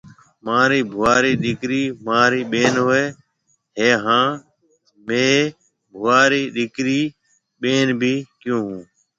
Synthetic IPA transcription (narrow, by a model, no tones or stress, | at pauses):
maːɾiːbʱʊʋaːɾiːɗɪkɾiːmaːɾiːɓeːnɦoeː | ɦeːɦãː | mẽː | bʱʊʋaːɾiːɗɪkɾiː | ɓeːnbʱiːkjõːɦũː